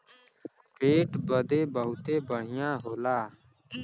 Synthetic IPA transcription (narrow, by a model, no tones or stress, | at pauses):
peːʈbəd̪eːbəɦʊt̪eːbəɽ̤ɪjãːɦoːlaː